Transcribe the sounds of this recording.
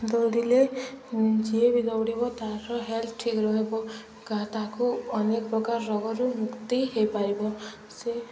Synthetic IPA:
d̪oɽile | d͡ʒiebid̪ʌwɽebot̪aɾʌɦelʈʰikɾʌɦebo | ɡãt̪akoʌnekbɔkarːʌɡʌɾumukt̪iɦepaɾebɔ | se

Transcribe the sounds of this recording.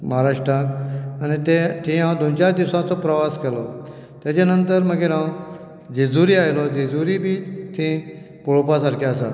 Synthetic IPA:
məɦaɾaʂʈɾakanit̪et̪ʰẽɦãwd̪ont͡ɕaɾd̪iwsãt͡sɔpɾəʋaskelɔ | t̪jat͡ɕanənt̪əɾməɡeɾãw | d͡zed͡zuɾiːajlɔd͡zed͡zuɾibʱiːt̪ʰẽ | poɭopasaɾkʰaasa̰

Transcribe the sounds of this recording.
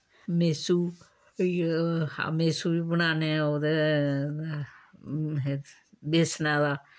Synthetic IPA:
meːsuː | a̰meːsuːiːbəñaːneːoːd̪e | beːsnãːd̪aː

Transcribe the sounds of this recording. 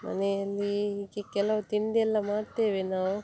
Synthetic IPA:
mɐ̰nejɐlːikekɛlɐʋɐt̪iɳd̪ɛlːamaːɽt̪eːʋenaːw

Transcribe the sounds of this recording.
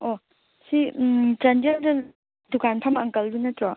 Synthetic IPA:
o | sit͡ʃɐndeldɐ | dukanpʰamɐŋkɐldunɐtɾɔ

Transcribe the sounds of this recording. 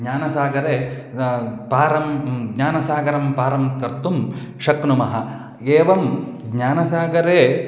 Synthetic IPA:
ɲaːnɐsaːɡɐɾeː | paːɾɐmɡɲaːnɐsaːɡɐɾɐmpaːɾɐmkɐɾt̪um | ʃɐknumɐɦɐ | eːʋɐmɡɲaːnɐsaːɡɐɾeː

